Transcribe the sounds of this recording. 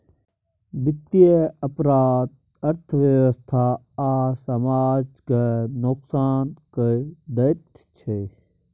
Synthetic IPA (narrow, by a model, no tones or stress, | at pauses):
bɪt̪ːijeɐpɾaːd̪̚ | ɐɾt̪ʰʋjɐʋəst̪ʰa | aːsɐmaːd͡ʒkenoksaːnkəd̪ɐt̪ | t͡ʃʰe